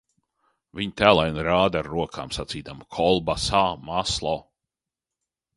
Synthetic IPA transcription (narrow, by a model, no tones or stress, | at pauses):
viɲt̪æːlˠajnɾaːd̪aɾɾuɔkʰa̰ːmsat̪siːd̪amkʰɔlˠbasaːmaslˠɔ